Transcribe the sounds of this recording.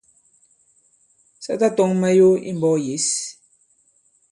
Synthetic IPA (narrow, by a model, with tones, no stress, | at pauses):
sɛ˦ta˦tɔ˨˦ŋmɛ˦jo˦ḭ˦mbɔ˦je˨˦s